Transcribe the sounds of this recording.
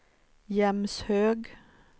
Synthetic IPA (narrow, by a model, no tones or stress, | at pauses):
jɛmshøːɡ